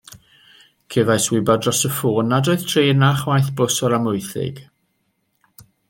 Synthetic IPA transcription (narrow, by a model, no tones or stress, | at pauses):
kʰɛvajswɪbadrɔsəfʊnadoɨðtʰrenaχwajθbʊsɔɾamʊjθɪ̰ɡ̥